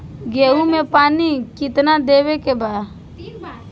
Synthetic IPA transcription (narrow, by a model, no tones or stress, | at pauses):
ɡeːumẽpaːnikɪt̪nad̪eːwekebaː